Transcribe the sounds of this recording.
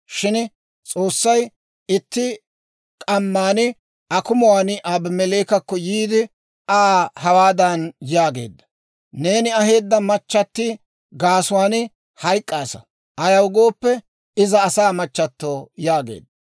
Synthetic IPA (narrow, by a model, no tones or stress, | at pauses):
ʃɪn | t͡sʼo̞ːsːɐj | ɪt̪ːɪ | kʼɐmːaːnɪ | ɐkʊmʊwaːnʔaːbmɛleːkɐkːɔjiːd̪ɪ | aːhɐwaːd̪ɐnjaːɡe̞ːd̪ːɐ̥ | ne̞ːnɪɐɦe̞ːd̪ːɐmɐt͡ʃːɐt̪ːɪ | ɡaːsʊwaːnɪ | hɐjkʼːaːsɐ̰ | ʔɐjɐwɡo̞ːpːɛ | ɪzɐːsaːmɐt͡ʃːɐt̪ːo̞ːjaːɡe̞̰ːd̪ːɐ